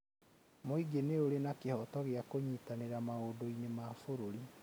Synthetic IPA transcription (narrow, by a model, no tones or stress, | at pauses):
moiɡeneoɾenakehɔtɔɣeakoɲiːtaneɾamaodoinemaːfoɾoɾi